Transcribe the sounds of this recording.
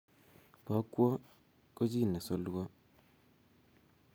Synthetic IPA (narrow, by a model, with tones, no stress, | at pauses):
bɔ˨˦kwɔ˦ | ko˦d͡ʒi˦˨nɛ˨sɔ˦lwɔ˦